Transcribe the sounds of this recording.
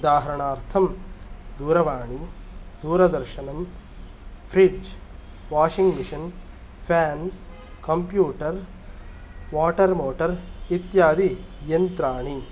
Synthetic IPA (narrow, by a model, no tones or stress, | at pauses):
ud̪aːɦɐɾɐɳaːɾt̪ʰɐmd̪uːɾɐʋaːɳid̪uːɾɐd̪ɐɾʃɐnɐm | pʰɾiɖd͡ʒ | ʋaːʃiŋɡmiʂɐn | pʰjaːn | kɐmpjuːʈɐɾ | ʋaːʈɐɾmoːʈɐɾit̪jaːd̪ijɐnt̪ɾaːɳi